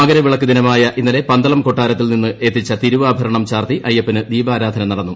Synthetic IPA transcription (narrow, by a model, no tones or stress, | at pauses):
ɐɡɐɾɐʋiɭɐkːud̪inɐmaːjɐʔinːɐle̞pɐnd̪ɐɭɐmko̞ʈːaːɾɐt̪ːilninːɨe̞t̪ːit͡ɕːɐt̪iɾuʋaːbʱɐɾɐɳɐmt͡ɕaːrt̪iʔɐjːɐpːɐnɨd̪iːbaːɾaːd̪ʱɐnɐmnɐɽɐnːu